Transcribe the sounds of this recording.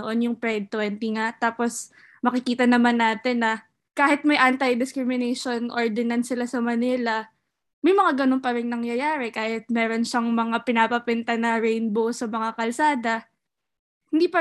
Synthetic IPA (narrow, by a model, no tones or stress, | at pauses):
ʔo̞njʊŋpɾɛd̪̚t̪oɛnt̪iŋat̪aːpos | mɐkɪkiːt̪ɐnɐmanːaːt̪ɪnːɐ | kaːhɪt̪̚mɐjʔant̪ɐjd̪ɪskɾɪmɪnejʃo̞nʔoɹd̪ɛnɐnsɪlasɐmɐnilɐ | mɐjmɐŋaɡɐno̞npɐɾɪŋnɐŋjɐjaːɾɛkaːhɪt̪̚mɛːɾo̞nʃɐŋmɐŋapɪnapɐpɛnt̪ɐnɐɾɛjnbowsɐmɐŋakɐlsaːd̪ɐ | hɪnd̪iːpɐ